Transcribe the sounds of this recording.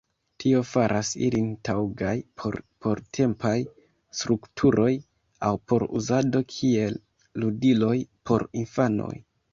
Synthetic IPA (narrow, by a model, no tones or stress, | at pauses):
tʰio̞faɾʔasḭlintʰawɡajpʰo̰ɾpʰo̞ɾtʰe̞mpaj | stɾuktʰuɾʔo̞j | awpo̞ɾṵzado̞kʰie̞lː | udilo̞jpʰo̞̰ɾinfano̰j